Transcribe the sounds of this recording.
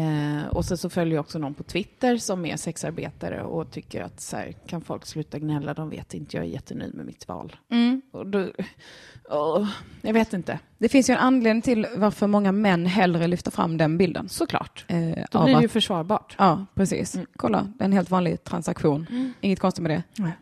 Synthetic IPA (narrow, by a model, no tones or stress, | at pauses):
ɔsɛnsɔfœljəjaɔksɔnɔnpʰɔt̪ʰvɪt̪ːəɾsɔmæ̰sɛksaɾbḛːt̪aɾə̰ɔt̪ʰʏkːəɾa̰t̪sæ̰ːɾkʰanfɔlkslʉ̟ːt̪aɡnɛlːad̪ɔmvḛːt̪ɪnt̪əjɑ̰ːɡɛ̰ɾjɛt̪ʰːəny̟̰ːmɛ̰mɪt̪vɑ̰ːlɔd̪ɔ | ɔjɑɡveːt̪ɪnt̪əd̪̥ɛfɪnsjɵɛnanleːd̪nɪŋt̪ʰɪlvaɾfœɾmɔŋːamɛnːɦɛlːɾəlʏft̪əɾfɾa̰mːd̪ɛnbɪld̪ə̰nsɔkʰlɑ̰ːʈd̪ajfœʂvɑːɾbɑːʈɑːpʰɾɛsḭːskʰɔlːa̰d̪ɛɛnheːlt̪vɑːnlɪɡt̪ʰɾansakɧuːnɪŋːət̪̚kɔnst̪ɪɡmɛd̪ɛ